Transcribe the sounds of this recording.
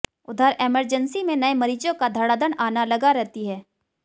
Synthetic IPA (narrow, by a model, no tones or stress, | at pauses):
ʊd̪ʱəɾʔeːməɾd͡ʒənsimẽnɐemɐɾiːt͡ʃõkad̪ʱɐɽaːd̪ənaːnalɐɡaɾɛɦt̪iɦɛː